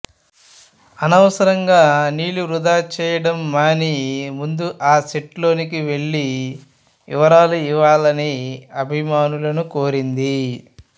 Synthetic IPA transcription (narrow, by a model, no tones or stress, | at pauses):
ɐnɐʋɐsɐɾɐŋɡaːniːluɾud̪aːt͡ʃɛːjɐɽɐmːaːnimund̪uʔaːseʈlo̞ːnikiʋe̞ɭːi | ḭʋɐɾaːluiʋaːlɐniɐbʱimaːnulɐnukoːɾind̪i